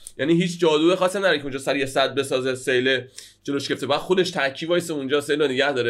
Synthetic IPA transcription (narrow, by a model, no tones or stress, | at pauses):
jʔæːniːɦiːt͡ʃʰd͡ʒɒːd̪uexɒːst̪ːæmnæɾekeũnd͡ʒɒːsæɾijesæd̪̚be̞sɒːzesejle | d͡ʒe̞loʃkeeft̪ebæd̪xod̪eʃt̪ʰæcʰːiːvɒːjeseund͡ʒɒːse̞jlɾoneɟæhd̪ɒːɾe